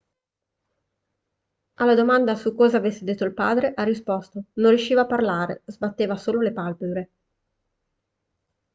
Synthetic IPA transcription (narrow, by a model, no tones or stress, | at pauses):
alːad̪omand̪asukɔːzaːvesːed̪et̪ːoilpa̰ːd̪ɾeʔarːispɔst̪onõnrjuʃːiːvaːparlaːɾḛzbat̪ːeːvasoːlolepalpebɾe